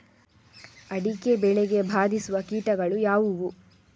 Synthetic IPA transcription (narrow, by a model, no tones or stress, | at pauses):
ɐɽikebɛɭeɡe̞bʱaːd̪isuʋɐkiːʈɐɡɐɭujaːʋuʋu